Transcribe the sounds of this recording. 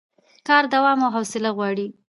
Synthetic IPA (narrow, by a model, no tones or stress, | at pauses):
kɑɾd̪awɑmawɦawsɪlaɣwɑɽi